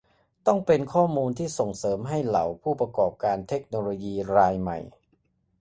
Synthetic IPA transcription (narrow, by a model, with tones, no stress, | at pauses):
t̪ɔ˥˩ŋpe˧nkʰɔː˥˩muː˧nt̪ʰiː˥˩so˨˩ŋsɤː˩˦mɦa˥˩jla̰˨˩˦wpʰuː˥˩pɾa˧kɔː˨˩p̚kaː˧nt̪ʰe˦˥k̚noː˧loː˧jiː˧ɾaː˧jma̰˨˩j